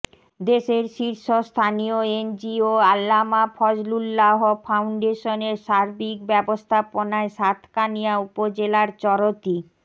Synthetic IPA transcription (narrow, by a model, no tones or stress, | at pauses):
d̪eʃeɾʃiɾʃost̪ʰanioend͡ʑioalːamafʰɔd͡ʑlulːaɦofʰawɳɖeʃoneɾʃaɾbikbɛbost̪ʰaponaeʃat̪ʰkanijaupod͡ʑelaɾt͡ɕɔɾot̪i